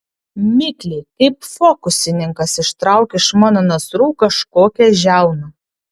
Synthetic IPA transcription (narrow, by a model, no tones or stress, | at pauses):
mʲɪkʲlʲɛkɐɪpfoːkʊsʲɪnʲɪŋkɐsɪʃt̪ɾɑˑʊkʲeɪʃmɑːnɐnɐsɾuːkɐʃkoːkʲɛʒʲæˑʊnɐ